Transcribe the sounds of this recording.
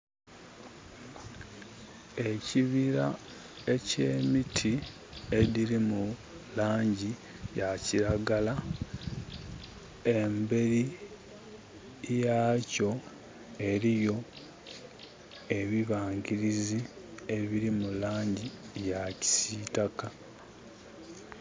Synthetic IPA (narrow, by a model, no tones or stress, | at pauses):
e̞ciβiɾa | e̞ce̞ːmitʰi | e̞diɾimu | laːɲɟi | jaciɾaɡala | e̞mbe̞ɾi | jaːco̞ | e̞ɾijo̞ | e̞βiβaːŋɡiɾizi | e̞βiɾimulaːɲɟijaci̥siːtaka